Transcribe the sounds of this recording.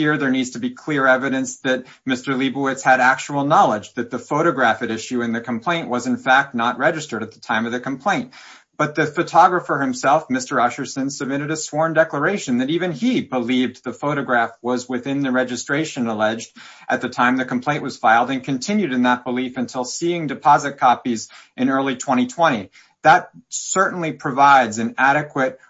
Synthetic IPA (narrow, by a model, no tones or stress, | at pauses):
iɹðə˞nidz̥tʰɨbikʰl̥ɪɹɛvɨɾɨ̃nsðɨt̚ | mɪstə˞libuɨtshɨɾæk̚t͡ʃəl̩ˠnɑlˠəd͡ʒðɨt̪̚ðɨfoʊɾɨɡɹæfɨɾɪʃʉɨ̃nðɨkʰm̩pʰl̥ẽɪ̃nʔwʌzɨ̃nfæk̚tⁿnət̚ɹɛd͡ʒɨstə˞ɾɨt̪̚ðətʰãɪ̃mʌvðɨkʰm̩pʰl̥ẽɪ̃nt | b̥ʌt̪̚ðɨfɨtʰɑɡɹəfə˞hɨ̃msɛlˠfmɪstə˞ʌʃə˞sɨ̃nsəb̚mɪɾɨɾɨswɔɹndɛklə˞eɪʃɨ̃nðɨɾivɨ̃nibəlivðɨfoʊɾɨɡɹæfwʌzwɪθɪ̃nðɨɹɛd͡ʒɨstɹ̥eɪʃɨ̃nəlɛd͡ʒd | ʔɨt̪̚ðɨtʰãɪ̃mðɨkm̩pʰl̥ẽɪ̃nʔwʌz̥faɪlˠdɨ̃nkʰɨ̃ntʰɪ̃njʉɾɨ̃nðət̚b̥əlifɨ̃ntʰɪlˠsiɪ̃ŋdɨpʰɑzɨt̚kʰɑpizɨ̃nɜ˞lˠitʰw̥ɛ̃ɾ̃itʰw̥ɛ̃ɾ̃i | ðət̚sɜ˞ʔn̩lipʰɹ̥ɨvaɪdzɨ̃næɾɨkʰwɨt̚